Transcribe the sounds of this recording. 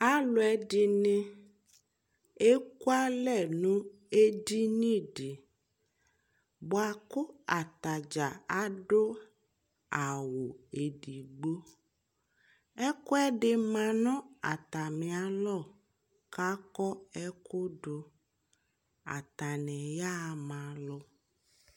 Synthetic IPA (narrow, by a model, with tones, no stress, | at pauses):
a˦lo˨ɛ˦di˦nẽ˦ | e˦ku˦a˦lɛ˦˨nũ˦ | e˦di˦nĩ˦ɖi˨ | bo˨a˨kʊ˦a˨t̪a˨d͡ʒa˨a˦ɖo˦ | a˨wo˨e˨ɖi˨ɡ͡bo˦ | ɛ˦kʊ˦ɛ˦ɖɪ˦mã˨nɔ̃˦a˨t̪a˨mẽ˨a˨˦lɔ˦˨ | ka˦kɔ˦ɛ˦kʊ˦ɖo˦ | a̰˨t̪a˨nɛ̃˨ja˦˨mã˨lʊ˦